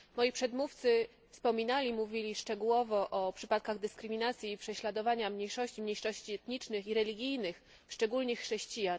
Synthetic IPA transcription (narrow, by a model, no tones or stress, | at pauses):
mɔjipʂɛd̪muft̪sɘ | fspɔmʲinalʲimuvʲilʲiʂt͡ʂɛɡuwɔvɔʔɔpʂɘpat̪̚kaɣd̪ɘskɾɘmʲinat̪sʲjiːpʂɛɕlad̪ɔvaɲamɲejʂɔɕt͡ɕimɲejʂɔɕt͡ɕiɛt̪ɲit͡ʂnɘxiɾɛlʲiɡʲijnɘx | fʂt͡ʂɛɡulɲɘxːʂɛɕt͡ɕija